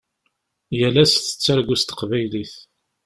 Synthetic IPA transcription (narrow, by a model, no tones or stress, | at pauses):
jəlæsθə̥t͡sːæɾɡust̪ə̥qvæjliθ